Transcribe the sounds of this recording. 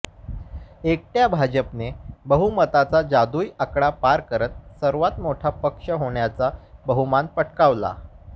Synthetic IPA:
ek̚ʈjabʱad͡ʑəpnebəɦumət̪at͡sad͡zad̪uːjakɽapaɾkəɾət̪̚səɾʋat̪moʈʰapəkʂəɦoɳjat͡sabəɦumanpəʈkaʋla̰

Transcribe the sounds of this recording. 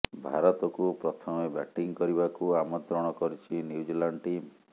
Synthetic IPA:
bʱa̰ɾɔt̪ɔkupɾɔt̪ʰɔmebɛ̰ʈiŋkɔɾibakuamɔnt̪ɾɔɽ̃ɔkɔɾit͡ʃʰinjud͡ʒilaɳɖʈim

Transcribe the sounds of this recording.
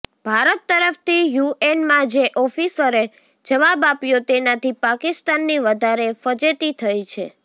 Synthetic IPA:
b̥ʱaɾət̪ːəɾəft̪ʰijuenmãd͡ʒeʔɔfisəɾe | d͡ʒəʋabapjot̪enat̪ʰipakist̪anːiʋəd̪ʱaɾefəd͡ʒet̪it̪ʰəjt͡ʃʰḛ

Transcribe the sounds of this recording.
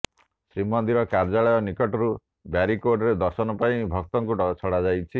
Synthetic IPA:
sɾimɔnd̪iɾɔkaɾd͡ʒaɭɔjɔnikɔʈɔɾu | baɾikoɾɖɔɾed̪ɔsɔnɔpaĩbʱɔk̚t̪ɔŋkuɖɔt͡ʃʰɔɽad͡ʒajt͡ʃʰi

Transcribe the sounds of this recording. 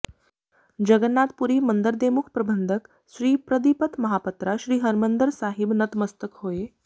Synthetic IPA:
d͡ʒɐɡənːaːt̪̚puɾiːmɐnd̪əɾd̪eːmukʰpɾɐbʱənd̪ʱək | ʃɾiːpɾɐd̪ipət̪mɐɦaːpɐt̪ɾaʃɾiːɦɐɾmənd̪əɾsaːɦɪbnɐt̪mɐst̪əkhoːeː

